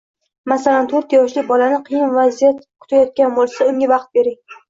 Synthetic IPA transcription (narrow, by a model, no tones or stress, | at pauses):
masalant̪ʰoɾt̪jɒʃlɪbɒlanɪqʰɨjɪnvazijat̪qʰʊ̥t̪ʰajɒt̪̚kʲanbolˠsaʊŋʲavɑqt̪̚be̞ɾɪŋ